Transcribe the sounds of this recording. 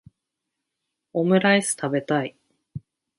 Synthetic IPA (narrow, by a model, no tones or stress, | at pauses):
o̞mɯ̟ɾaisɨ̥t̪abe̞t̪ai